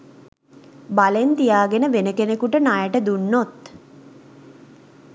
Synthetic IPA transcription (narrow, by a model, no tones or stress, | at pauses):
balent̪ijaːɡenəʋenəkenekuʈənajəʈəd̪unːot̪